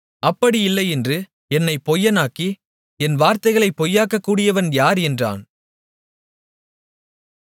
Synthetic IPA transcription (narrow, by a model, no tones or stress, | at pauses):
ʔɐpːɐɽiɪlːɐɪɛndrɯ | ɛnːɐɪpɔjːɐnaːkːi | ɛnʋaːɾt̪ɐɪɣɐɭɐɪpːɔjːaːkːɐkːuːɽɪjɐʋɐnjaːɾɛndra̰ːn